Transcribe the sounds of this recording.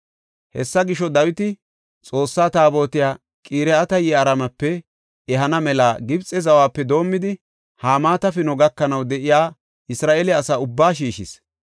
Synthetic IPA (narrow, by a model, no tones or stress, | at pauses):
hɛ̰sːɐɡɪʃɔd̪ɐwɪt̪ɪ | t͡sʼo̞ːsːaːt̪aːbo̞ːt̪ɪjaː | kʼiːɾɛɐt̪ɐjɛɐɾɐmɐpːɛ | ɛɦɐnɐmɛlaːɡɪbt͡sʼɛzɐwaːpːɛd̪o̞ːmːɪd̪ɪ | haːmaːt̪ɐfɪnɔɡɐkːɐnɐwd̪ɛʔɪjaː | ɪsɾaːʔeːlɛɐsaːʊbːaːʃiːʃɪs